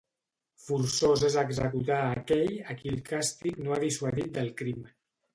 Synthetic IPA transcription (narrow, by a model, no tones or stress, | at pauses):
fuɾsozezəɡzəkut̪aːkɛʎəkilˠkast̪iknoaðiswaðit̪̚d̪əlˠkɾim